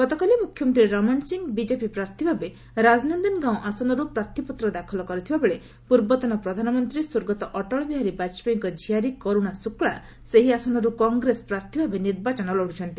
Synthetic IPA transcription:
ɡ̥ɔt̪ɔkalimukʰjɔmɔnt̪ɾiɾɔmɔnsiŋɡbid͡ʒepipɾaɾt̪ʰibʱabe | ɾad͡ʒnɔnd̪ɔnɡãw̃ʔasɔnɔɾupɾaɾt̪ʰipɔt̪ɾɔd̪akʰɔlɔkɔɾit̪ʰibabeɭe | puɾbɔt̪ɔnɔpɾɔd̪ʱanɔmɔnt̪ɾiswoɾɡɔt̪ɔʔɔʈɔɭɔbiɦaɾibat͡ʃpɔiŋkɔd͡ʒʱiaɾikoɾuɽasukɭa | seɦiasɔnɔɾukɔŋɡɾespɾaɾt̪ʰibʱabeniɾbat͡ʃɔnɔloɽut͡ʃʰɔnt̪i

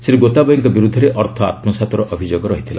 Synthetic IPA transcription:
seɾeɡot̪abɔjiŋkɔbiɾud̪ʱːɔɾeʔʔɔɾt̪ʰɔa̰t̪mɔsat̪ɔɾɔʔɔbʱid͡ʒoɡɔɾɔɦit̪ʰila̰

